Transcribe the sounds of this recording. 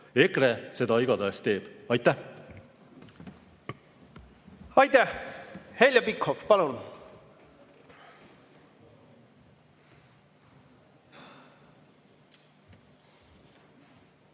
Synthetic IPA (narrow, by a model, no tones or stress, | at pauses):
ekɾese̞d̪ɑiɡ̥ɑd̪ɑest̪e̞ːb̥ɑjt̪ːˑæh | ɑjt̪æhhelʲjɑpikhofpɑlun